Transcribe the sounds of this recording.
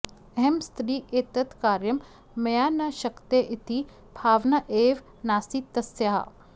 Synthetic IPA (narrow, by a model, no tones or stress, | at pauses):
ɛɦɛmst̪ɾiːet̪ɐt̪kaːɾjɐmː | ɐjaːnaʃɐkt̪eʔɪt̪i | bʱaːʋnaʔeːʋ | naːsit̪ɐsjaɦa̰